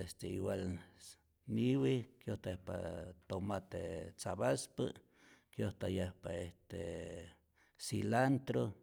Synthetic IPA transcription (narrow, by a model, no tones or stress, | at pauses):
est̪eiwal | niwikjoht̪aehpa̰t̪omat̪et͡saβaspə̰ | kjoht̪ajehpaest̪e | silant̪ɾo